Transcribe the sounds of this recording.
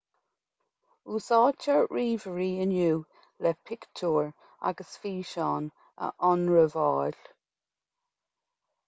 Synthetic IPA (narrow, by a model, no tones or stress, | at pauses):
uːsɔːt͡ʃʰəɹɹiːvəɹiːənjuː | lɛpʰɪkt͡ʃʰuːɹ | a̰ɡəsfiːʃɔːn | ə̰ʔɔnɹəvɔːl̥